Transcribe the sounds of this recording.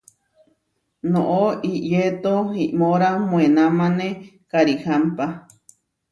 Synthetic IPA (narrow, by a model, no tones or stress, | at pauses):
nõʔoiʔjet̪oiʔmoɾamw̃enamãne | kaɾihampa